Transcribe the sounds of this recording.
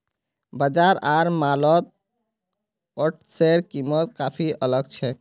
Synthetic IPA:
bəd͡ʒaɾaːɾmalɔt̪̚ | ɔʈʰseɾkimət̪̚kapʰiʔələɡ̚t͡ʃʰɛ

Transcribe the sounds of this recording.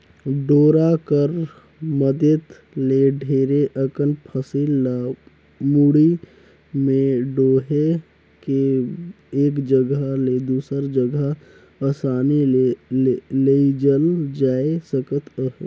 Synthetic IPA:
ɖoːɾakəɾ | məd̪ət̪ | leɖʱeːɾeʔəkənpʰəsil | muɽi | mẽɖoːɦe | ke | eːkd͡ʒəɡaled̪uːsəɾd͡ʒəɡa | aːsaːni | leid͡ʒəld͡ʒaːesəkət̪əɦe

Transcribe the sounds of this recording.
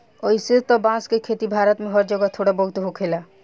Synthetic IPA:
ojset̪ɔbãskekʰet̪ibʱaːɾɔt̪mẽɦɔɾd͡ʒɔɡat̪ʰoːɽabɔɦt̪uɦokʰela

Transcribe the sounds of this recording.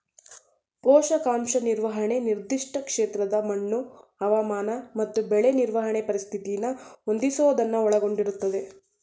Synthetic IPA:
pɔːʂɐkaːmʃɐniɾʋɐɦɐɳe̞niɾd̪iʂʈɐkʂeːt̪ɾɐd̪ɐmɐɳːuɐʋɐmaːnɐmɐt̪ːubɛɭeniɾʋɐɦɐɳepɐɾist̪ʰit̪ijɐnːɐɦond̪isɐʋɐd̪ɐnːɐɔɭɐɡo̞ɳɖiɾut̪ːɐd̪e̞

